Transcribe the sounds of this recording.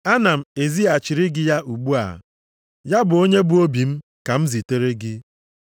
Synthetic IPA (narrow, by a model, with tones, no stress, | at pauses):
a˦na˨m̩˨e˨zi˦a˨t͡ʃɪ˨ɾɪ˦ɡɪ˦ja˦ʔu˨ɡ͡bu˦a̰˨ | ja˦bʊ˨o˦ɲe˦bu˦o˦bi˨m̩˦ | ka˨m̩˦zi˨te˦ɾe˦ɡɪ˦